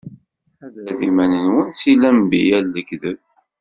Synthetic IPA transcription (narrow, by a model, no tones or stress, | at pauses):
æðæðimænənwənsilæmbḭjælːəkðə